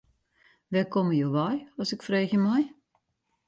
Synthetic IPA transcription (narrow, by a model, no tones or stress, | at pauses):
ʋɛkɔməjoːʋɔjɔsɪkfreːxjəmɛj